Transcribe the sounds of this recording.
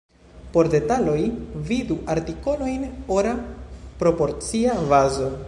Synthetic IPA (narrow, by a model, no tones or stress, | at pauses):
po̞ɾde̞talo̞jviduaɾtiko̞no̞jnoɾapɾo̞po̞ɾt͡siavazo̞